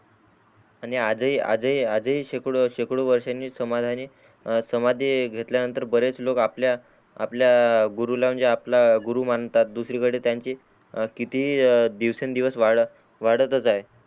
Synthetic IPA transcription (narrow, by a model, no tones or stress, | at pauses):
aɽ̃iad͡zəɦiːa̰d͡zəɦiːad͡zəɦiːɕekɽoɕekɽoʋəɾʂanːiːsəmad̪ʱaniː | səmad̪ʱiɡʱet̪ljanənt̪əɾbəɾet͡slokapljaː | pljaɡuɾulam̤əɳd͡zeaplaɡuɾuːmant̪at̪̚d̪usɾiːkəɽeːt̪jaɲt͡ɕiː | kit̪iɦiːd̪iʋsend̪iʋəsʋaɽ | ʋaɽət̪ət͡saɦe